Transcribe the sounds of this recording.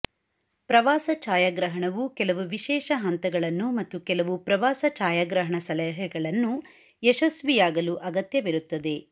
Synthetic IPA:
pɾɐʋaːsɐt͡ʃaːjaːɡɾɐɦɐɳɐʋukɛlɐʋuʋiʃɛːʃɐɦɐnt̪ɐɡɐɭɐnːumɐt̪ːukɛlɐʋupɾɐʋaːsɐt͡ʃaːjaːɡɾɐɦɐɳɐsɐlɛɦɛɡɐɭɐnːu | ɛʃɐsʋijaːɡɐluʔɐɡɐt̪jɐʋiɾut̪ːɐd̪e̞

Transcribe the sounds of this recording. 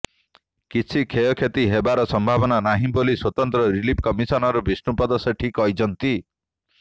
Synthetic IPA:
kit͡ʃʰikʰejɔkʰet̪iɦebaɾɔsɔmbʱabɔnanaɦĩboliswɔt̪ɔnt̪ɾɔɾilipʰkɔmisɔnɔɾubisnupɔd̪ɔsɔʈʰikɔjd͡ʒɔnt̪i

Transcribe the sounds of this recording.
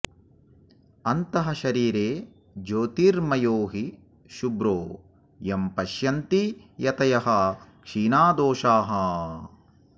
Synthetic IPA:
ɐnt̪ɐɦɐʃɐɾiːɾeː | d͡ʒoːt̪iːɾmɐjoːɦi | ʃubɾoː | jɐmpɐʃjɐnt̪ijɐt̪ɐjɐɦɐkʂiːnaːd̪oːʃaːɦɐ

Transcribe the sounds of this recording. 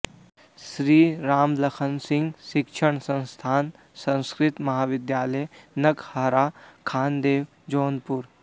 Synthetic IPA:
sɾiːɾaːmlɐkʰənsɪ̃ŋɡʃɪkʃʰəɳ̃sɐ̃nst̪ʰaːn | sɐ̃nskɾɪt̪mɐɦaːʋɪd̪jaːləjnɐkhaːɾaːkʰaːnd̪eːʋ | d͡ʒoːnpuɾ

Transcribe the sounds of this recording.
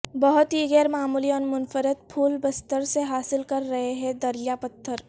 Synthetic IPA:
bɐɦʊt̪ɦiɣɛːɾmaːmuːliɔːnmʊnfəɾət̪̚pʰuːlbɐst̪əɾseɦaːsɪlkɐɾːɐɦeɦɛ̃d̪ɐɾijapɐt̪ʰːəɾ

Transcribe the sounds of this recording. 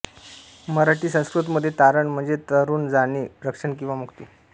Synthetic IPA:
məɾaʈiːsə̃w̃skɾut̪məd̪ʱːjet̪aɾəɳm̤əɳd͡zet̪əɾuːnd͡zaniːɾəkʂəɳkĩw̃ʋamukt̪iː

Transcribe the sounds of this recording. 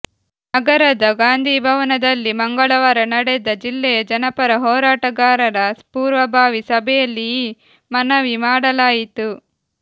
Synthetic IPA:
nɐɡɐɾɐd̪ɐɡaːnd̪ʱiːbʱɐʋɐnɐd̪ɐlːimɐŋɡɐɭɐʋɐɾɐnɐɽɛd̪ɐd͡ʒilːeːd͡ʒɐnɐpɐɾɐɦɔːɾaːʈɐɡaːɾɐnɐspuːɾʋɐbʱaːʋisɐbʱɐjɐlːi | mɐnɐʋimaːɽɐlaːjit̪u

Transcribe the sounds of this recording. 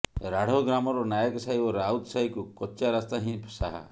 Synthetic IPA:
ɾaɽ̤ɔɡɾamɔɾɔnajɔkɔsaibɔɾaut̪ɔsaikukɔt͡ʃːt͡ʃaɾast̪aɦĩpʰsaɦa̰

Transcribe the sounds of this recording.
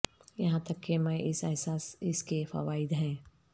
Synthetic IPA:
jɐɦãt̪ɐkːemɛ̃ʔɪsɛɦsaːsɪskefɐ̰ʋaːɪd̪ɦɛ̃ː

